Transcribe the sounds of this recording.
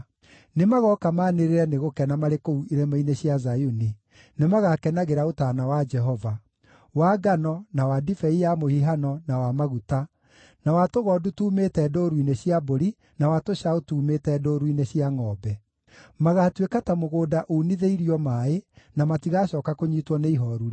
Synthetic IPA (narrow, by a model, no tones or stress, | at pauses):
nemaɣɔkamaːneɾeɾɛneɣokɛnamaɾekouiɾɛmaineɕjazajuni | nemaɣakɛnaɣeɾaotanawad͡ʒɛɦɔva | waːɡanɔnawadifɛijamohiɦanɔnawamaɣuta | nawatoɣɔdutuːmetɛːdoɾwineɕjaboɾi | nawatoɕaotuːmetɛdoɾuineɕiaŋɔbɛ | maɣatwekatamoɣoːdaʔoːniðeiɾiɔmaenamatiɣaɕɔːkakoɲitwɔneiɦɔɾuɾ